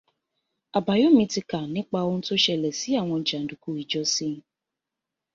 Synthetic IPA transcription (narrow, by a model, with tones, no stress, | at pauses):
a˨ba˨jo˦mĩ˧ti˧ka˨nɪ̃˦k͡pa˧o˦n̩˦to˦ʃɛ˨lɛ˨si˨˦a˦˨w̃ɔ̃˧˨d͡ʒa˨n̩˨du˨ku˦i˨d͡ʒɔ˦si˦